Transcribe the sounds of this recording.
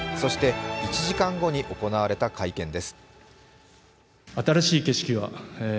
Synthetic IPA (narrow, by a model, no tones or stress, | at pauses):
so̞ɕi̥t̪e̞it͡ɕiʑikãŋɡo̞ɲ̟iʔo̞ko̞naβaɾe̞t̪akʰaikẽ̞nd̪e̞sɨ̥ | at̪aɾaɕiːke̞ɕi̥kʲiβa